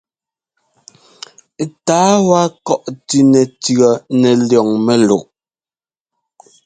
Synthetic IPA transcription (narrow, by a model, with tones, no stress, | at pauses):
taː˨˦wa˦kɔ˦ʔtʉ˨nɛ˨tɰɔ˨nɛ˨ljɔ˨ŋmɛ˦lo̰˨ʔ